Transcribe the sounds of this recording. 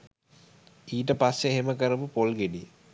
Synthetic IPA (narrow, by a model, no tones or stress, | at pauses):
iːʈ̬əpasːeɦeməkəɾəpupolɡeɖi